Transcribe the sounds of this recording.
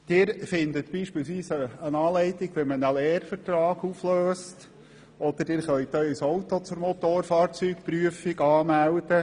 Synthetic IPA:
d̪̥ɪːɾfɪnd̪ət̪b̥iːʃpɪːlsʋiːsəənɑːlɛɪt̪ɪɡ̥ʋɛmənəlɛːɾfəɾt̪rɑːɡufløːst | ɔd̥̪əd̥ɪːɾχœɥt̪œʏsowt̪ot͡sʊɾmɔt̪oːɾfɑːɾt͡syːkpɾyəfiɡɑːmæld̥̪ə

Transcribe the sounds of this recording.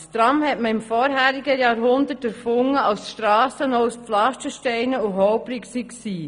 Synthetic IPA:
st̪ɾɑmhɛtməɪmfɔːɾɦæːɾiɡəjɑːɾɦʊnd̪ətəɾfʊŋːəɑwsʃtɾɑːsənɔʊspflɑʃtəʃtɛɪnəuɦɔʊbɾɪksiksiː

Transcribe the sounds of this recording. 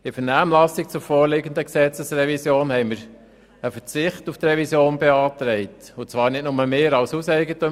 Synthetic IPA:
ɪfəɾnæːmlɑsik̚t͡sʊɾfoːɾlɪɡənd̪əksɛt͡səsrɛvisjoːnhɛɪməɾ | əfət͡sɪχtuft̪ɾɛvisjoːnbeɑːtɾɛɪtʊt͡sʋɑːɾnɪt̚nʊməmeːɾɑlsusɛɪɡətʊ

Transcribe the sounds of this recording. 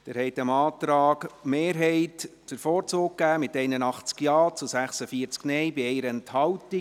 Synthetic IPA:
d̥ɛːɾhɛɪt̪əmɑːtɾɑːɡmeːɾɦɛɪtt͡sʊɾfɔːɾt͡sʊːk̚ːæːmɪtɛɪnənɑχt͡skjɑːt͡sʊsæχsəfiːəɾt͡sknɛjbɪɛɪɾɛnthɑwti

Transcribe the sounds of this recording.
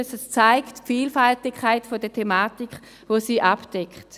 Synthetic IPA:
səst͡saɪktfiːlfaltɪkʰχaɪtfodətʰemaːtikχ | voːsiːʔapd̥ɛkχt

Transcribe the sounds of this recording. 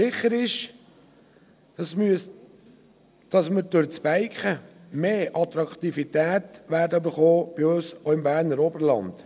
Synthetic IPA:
sɪχːəɾɪʃ | smys | d̥ɑsməɾdøɾt͡sb̥æɪkχəmeːʔɑt̪ɾɑkt̪ifit̪æːt̪ʋæːɾdəybəɾχoːb̥iøsoɪmbæːɾnəɾobəɾlɑ̰nd̥̪

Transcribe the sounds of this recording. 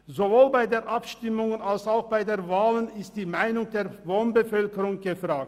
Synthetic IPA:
zovoːlbaɪdeːɐʔapʃtɪmʊŋənalsaʊxb̥aɪdeːɐvaːlənɪst̚d̥iːmaɪnʊŋdeːɐvoːnbəfœlkəʁʊŋɡ̥əfʁ̥aːk̚t

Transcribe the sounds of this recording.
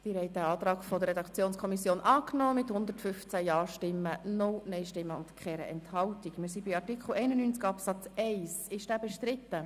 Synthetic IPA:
d̪̥iːɾhɛɪt̚dæɑːt̪ɾɑːkfɔd̪əɾrːɛdɑkt͡sjoːnskʰɔmisjoːnʔɑːknɔːmɪthʊnd̪ətfʏft͡sæjɑːʃtɪmːənʊwnœɪʃtɪmːəʊntkχɛɾə̰ɛ̰nthɑltikmɪːɾs̬ibiɑɾtikχl̩ɛɪnənyːnt͡skɑpsɑt͡sɛɪsɪʃd̥æːbɛʃtɾɪt̪ːə

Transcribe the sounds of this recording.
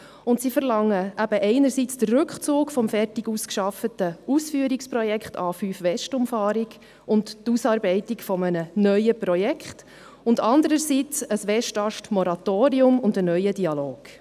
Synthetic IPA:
ʊntsifəɾlɑŋːəʔæb̥əʔɛɪnəɾsit͡sd̥ərːɵkχt͡suːkfɔmfɛrtiɡuskʃɑfətəusfyːəɾikspɾɔjɛkχtʰɑ̰ːfyːfʋɛʃtʊmfɑːɾiɡ | ʊnttusɑːɾbɛɪtikfɔmənənœʏəpɾɔjɛkχt | ʊndɑnd̪əɾəsit͡səsʋɛʃtɑʃtmɔɾɑt̪oːɾiʊmʊndənœʏədiɑloːɡ̥

